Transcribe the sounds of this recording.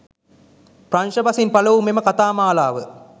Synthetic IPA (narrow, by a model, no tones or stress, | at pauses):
pranʃɐbɐsinpɐlɐʋumeməkat̪aːmaːlaːʋə